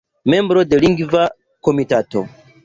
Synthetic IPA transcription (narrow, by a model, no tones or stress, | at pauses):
me̞mbɾo̞de̞liŋɡva | komitato̰